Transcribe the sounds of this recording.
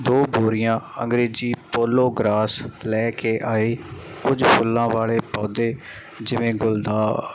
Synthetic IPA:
d̪oːboːɾɪjãːə̰ŋɡɾeːd͡ʒiːpoːloːɡɾaːslɛːkeːʔaːeː | kʊd͡ʒpʰʊlːãːʋaːɭeːpɔːd̪eː | d͡ʒɪʋẽːɡʊld̪aː

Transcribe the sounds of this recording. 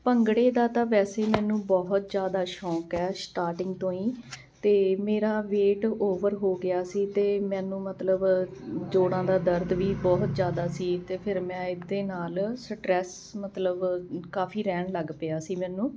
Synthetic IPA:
pəŋɡɽeːd̪aːt̪ãːʋɛːseːmɛ̃ːnũːbɔɦʊt̪zjaːd̪aːʃɔːkɛːsʈaːɾʈɪŋɡt̪õːĩː | t̪eːmeːɾaːʋeːʈoːʋəɾɦoːɡɪaːsiːt̪eːmɛ̃ːnũːmət̪ləbd͡ʒoːɽãːd̪aːd̪əɾd̪ʋiːbɔːɦt̪zjaːd̪aːsiːt̪eːpʰɪɾmɛ̃ːɪd̪eːnaːlsəʈɾɛːs | mət̪ləbkaːpʰiːɾɛ̃ːɳləɡpɪjaːsiːmɛ̃ːnũː

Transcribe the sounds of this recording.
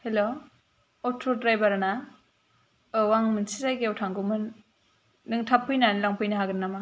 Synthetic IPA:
helo | ɔtʰodɾajbaɾana | ɯwaŋmɯnsizajɡewtʰaŋɡumɯn | nɯŋtʰapʰːɯjnanlaŋpʰɯjnaɦaɡɯnːama

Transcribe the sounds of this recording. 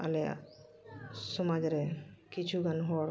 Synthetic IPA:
a̰lḛ | sɔmad͡ʒɾekit͡ʃʰuɡanɦɔɽ

